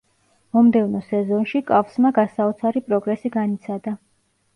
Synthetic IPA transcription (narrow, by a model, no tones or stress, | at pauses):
mɔmd̪ɛvnɔsɛzɔnʃikʼafsmaɡasaɔt̪sʰaɾipʼɾɔɡɾɛsiɡanit̪sʰad̪a